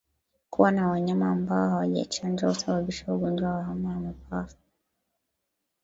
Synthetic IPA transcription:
kṵwanawaɲamaːmbaɔhawaʄa̰t͡ʃand͡ʒausaɓaɓiʃauɡɔnd͡ʒwawaɦamaamipafu̥

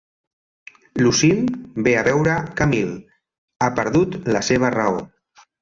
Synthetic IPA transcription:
lusimbeaβɛwɾəkamil | apəɾðut̪ləseβ̞ərao̰

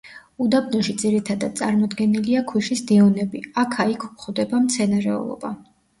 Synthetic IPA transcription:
ud̪abnɔʃid̪ziɾit̪ʰad̪ad̪̚tsʼa̰ɾmɔd̪ɡɛniliakʰwiʃisd̪iɔnɛbiakʰaikʰuχɔd̪ɛbamt̪sʰɛnaɾɛ̰ɔ̰lˠɔ̰ba

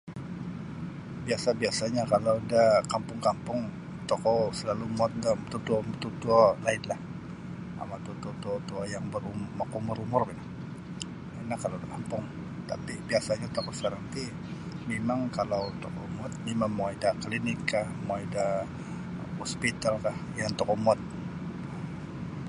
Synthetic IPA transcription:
biasabiasaɲakalawdahkampʊŋkampʊŋ | t̪ɔkɔsəlalumuɔt̪̚damt̪ut̪uɔmt̪ut̪uɔlaɪnlah | a̰mat̪ut̪uɔt̪uɔt̪uajaŋbəɾumakuməɾumʊrpina | inahkalawdakampʊŋ | t̪a̰pibiasaɲat̪okɔsəkaɾaŋt̪i | memaŋkalawt̪okɔmuat̪̚mimamoidaklinɪkʰːahmoida | hɔspit̪alkahjaŋt̪ɔkɔmuat̪̚

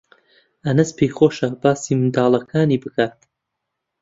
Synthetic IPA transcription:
ʔɐnɐspʰejχoːʃɐbaːsiːmɨd̪aːlˠɐkʰaːniːbɨkaːt̪̚

